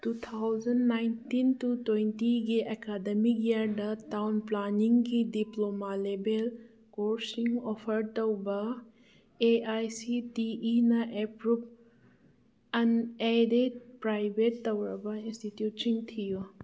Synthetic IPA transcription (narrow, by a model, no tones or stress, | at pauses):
tut̪ʰawd͡ʒɐnːajntintutwejntiɡiʔekademikjaɾdɐtawnplaniŋɡidiplomalebel | koɾsiŋopʰɐɾtɐwbɐ | eajsitiinɐʔepɾup̚ | ɐneded̚pɾajbʱetːɐwɾɐbɐinstitjutsiŋtʰiju